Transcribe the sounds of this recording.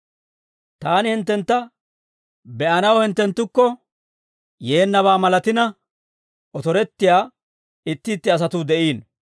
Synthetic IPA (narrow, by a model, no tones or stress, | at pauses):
t̪aːnɪhɪnt̪ːɛnt̪ːɐ | bɛʔɐnɐwhɪnt̪ːɛnt̪ːʊkːɔ | je̞ːnːɐβaːmɐlɐt̪ɪnɐ | ʔɔt̪ɔɾɛt̪ːɪjaː | ɪt̪ːɪːt̪ːɪɐs̬ɐt̪uːd̪ɛʔiːn